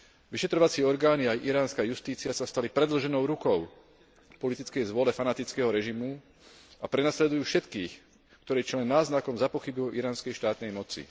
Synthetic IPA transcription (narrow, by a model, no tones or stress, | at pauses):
ʋiʃɛt̪ɾɔʋat͡siɛɔɾɡaːniajʔiɾaːnskaːjust̪iːt͡siasast̪alipɾɛd̪l̩ʒɛnɔʊɾukɔʊ | pɔlit̪it͡skɛjzʋʊɔlɛfanat̪it͡skɛɦɔɾɛʒimu | apɾɛnaslɛd̪ujuːfʃɛt̪kiːx | kt̪ɔɾɛːt͡ʃlɛnːaːznakɔmzapɔxibiɔʔiɾaːnskɛjʃt̪aːt̪nɛjmɔt͡sḭ